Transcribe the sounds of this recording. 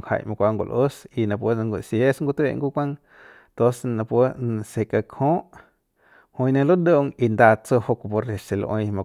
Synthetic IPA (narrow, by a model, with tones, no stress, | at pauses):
ha̰˧˨jmã˧kʷa˧ŋɡo̰˧lʔʔo˦si˧nã˧pʷə˦˧ŋɡo˧sje˦sŋɡu˧t̪ḛ˧˨ŋɡu˦kʷã˦˧ŋ | t̪o˦snã˧pwə˦n˧se˧ka˧kʰõ˦ʔ | hõ˧jnẽ˧lo˦d̪o˦ʔo˧˨ŋi˧nd̪a˧t͡so˧ho˧ko˧po˧ɾe˨ʃe˨lo̰˧ʔõ̰˧jmã˧